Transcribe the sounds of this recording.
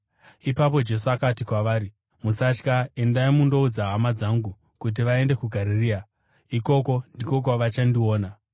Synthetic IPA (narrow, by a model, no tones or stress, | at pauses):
ipap̬o̞d͡ʒe̞suakatikwaʋaːɾi | musat͡ʃkae̞ndaimundo̞ud͡zaɦamad͡zaŋɡu | kut̬iʋae̞nde̞kuɡʱaɾiriːa | iko̞ko̞ndiko̞k̬waʋat͡ʃandio̞ːna